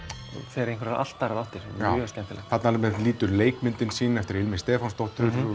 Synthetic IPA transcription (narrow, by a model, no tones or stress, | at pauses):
ɔ̰fɛɾẽjŋkvɾʔa̰l̥t̪ːaɾaðaht̪ɪɾɛ̰nːjœscɛnt̪ɪlɛ̰ɣθat̪namɛðliːt̪ʏɾleːjkmʏnt̪ɪnsiːnɛft̪ɪɾɪlmɪnst̪ɛːfanst̪ɔht̪ʏɾ